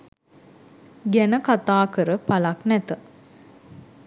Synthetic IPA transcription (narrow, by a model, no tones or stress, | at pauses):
ɡænəkat̪aːkəɾəpalaknɛt̪ə